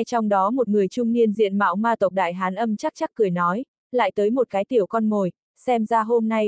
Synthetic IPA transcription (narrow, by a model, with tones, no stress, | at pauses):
t͡ɕɔ˧wŋ͡mɗɔ˨˦mo˨˩t̚ŋɨ˨˩əjt͡ɕʊ˧ŋ͡mni˧ənzḭ˧˨ənma̰ː˧˥wmaː˧t̪ə˨˩wk͡p̚ɗa̰ː˧˨jɦaː˨˦nʔə˧mt͡ɕa˦˥k̚t͡ɕa˦˥k̚kːɨ˨˩əjnɔ˨˦j | la̰ː˧˨jt̪əː˨˦jmo˨˩t̚kaː˨˦jt̪i˧˩əwkɔ˧nmo˨˩j | sɛ˧mzaː˧ɦo˧mna˧j